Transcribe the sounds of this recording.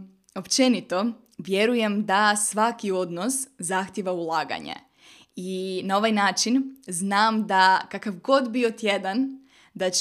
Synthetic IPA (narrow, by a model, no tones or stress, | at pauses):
o̞pt͡ʃe̞nit̪o̞ | ʋje̞ɾuje̞md̪asʋakio̞d̪noszaxt̪ʲjeʋaulˠaːɡa̰ɲḛ | inao̞ʋajnaːt͡ʃinznaːmd̪akakaʋɡo̞d̪biot̪jed̪an | d̪a